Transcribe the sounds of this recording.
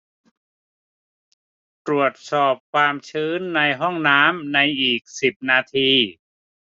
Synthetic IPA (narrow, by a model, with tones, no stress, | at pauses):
t̪ɾu˨˩ət̪̚sɔː˨˩p̚kʰwaː˧mt͡ɕʰɯː˦˥nːa˧jɦɔ˥˩ŋnaː˦˥mna˧jʔiː˨˩k̚si˨˩p̚naː˧t̪ʰiː˧